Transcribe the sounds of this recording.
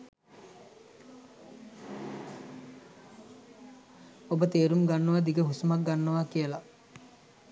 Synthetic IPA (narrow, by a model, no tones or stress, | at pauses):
obət̪eːɾumɡanːəʋad̪iɡəɦusumak̚ɡanːəʋakijəla